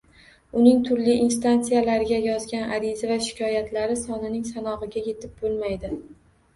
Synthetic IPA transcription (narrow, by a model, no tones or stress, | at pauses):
ʊnɪŋt̪ʰʊɾliʔinst̪ant̪sijalaɾɪɡʲajɒzɡʲanaɾizavaʃɪ̥kʲʰɒjat̪ʰlaɾɪsɒnɪnɪŋsanɒʁɨɡʲaje̞t̪ʰɪp̚bolˠmajd̪ɪ